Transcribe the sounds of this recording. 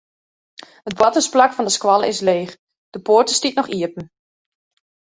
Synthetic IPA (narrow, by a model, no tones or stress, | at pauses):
ət̚bɔtəsplakfɔndəskwɑlˠə̰ɪsleːx | d̥əpoːrtəstitnɔχiəpn̩